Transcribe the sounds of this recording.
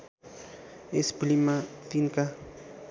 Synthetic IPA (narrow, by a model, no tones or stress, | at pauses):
esplimat̪iŋka